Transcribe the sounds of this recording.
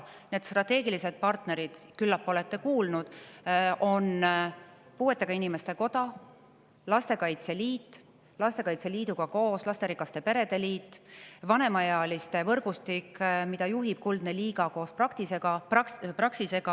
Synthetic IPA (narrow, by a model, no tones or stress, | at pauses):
ne̞ːd̪st̪rɑt̪ːˑe̞ːɡilise̞d̪̚pɑrt̪ne̞ɾid̪̥kylːɑpːo̞le̞t̪ːe̞kuːlnud̪̥ | o̞n | puːe̞t̪ːˑe̞ɡ̥ɑinime̞st̪e̞ko̞d̪̥ɑ | lɑst̪e̞kɑjt̪se̞liːt̪ː | lɑst̪e̞kɑjt̪se̞liːd̪uɡ̥ɑko̞ːslɑst̪e̞ɾikːˑɑst̪e̞pe̞ɾe̞d̪e̞liːt̪ːˑvɑne̞mɑjɑɑlist̪e̞vɤrɡ̥ust̪ikmid̪ɑjuɦib̥̚kuld̪neliːɡ̥ɑko̞ːsprɑkt̪ise̞ɡ̥ɑpprɑksise̞ɡ̥ɑ